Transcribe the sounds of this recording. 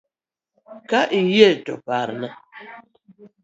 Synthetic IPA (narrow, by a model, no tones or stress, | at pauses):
kaʔijetɔpaɾna